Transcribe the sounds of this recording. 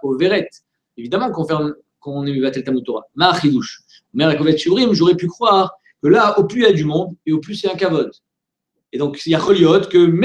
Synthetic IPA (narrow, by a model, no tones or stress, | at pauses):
koveʁɛt̪ | evid̪amɑ̃kɔ̃fɛʁm | kɔ̃nemebat̪ɛlt̪amut̪oʁa̰maχid̪uʃ | mɛʁakɔvɛt̪ʃiʁimʒoʁɛpykχwaʁ | kəlaoplyjad̪ymɔ̃d̪eoplysjaɛ̃kavɔd̪ | ed̪ɔ̃kjaχɔljɔt̪kəm